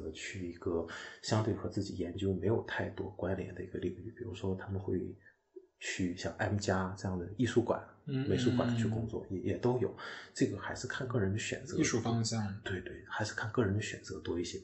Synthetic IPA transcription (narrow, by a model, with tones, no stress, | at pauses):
ə˧˦t͡ɕʰy˥˩i˧˥ɡə˧ɕjɑ˥ŋt̪we˥˩ɪxɤ˧˥t͡sɹ̩˥˩t͡ɕi˨˩jɛ˧˥nt͡ɕjo˥ʊme˧˥ɪjo˨˩ʊt̪ʰa˥˩ɪt̪wɔ˥kwa˥nljɛ̰˧˥nd̪ə̰˧i˧˥ɡə˧li˥˧y̰˥˩pi˨˩ɻu˧˥ʂwɔ˥t̪ʰa˥mə˨nxwe˥˧ɪ | t͡ɕʰy˥˩ɕjɑ˨˩ŋʔa˥mt͡ɕja˥ʈ͡ʂɤ˥˧jɑ˥˩ŋd̪ə˩i˥˩ʂu˥kwa̰˨˩˦nme˨˥ɪʂu˥kwa˨˩nt͡ɕʰy˥˩kʊ˥ŋt͡swɔ̰˥˩jɛ˨˩jɛ˨˩t̪o˥ʊjo˨˩ʊʈ͡ʂɤ˥˩ɡə˩xa˧˥ɪʂɻ̩˥˧kʰa˥˧nkɤ˥˩ɻə˧˥nd̪ə˧ɕɥɛ̰˨˩nt͡sɤ̰˧˦˥ʂu˥˩fɑ˥ŋɕjɑ˥˩ŋt̪we˥˧ɪt̪we˥˩ɪxa˧˥ɪʂɻ̩˥˧kʰa˥˧nkɤ˥˩ɻə˧˥nd̪ə˧ɕɥɛ˨˩nt͡sɤ˧˥t̪wɔ˥i˥˩ɕjɛ˥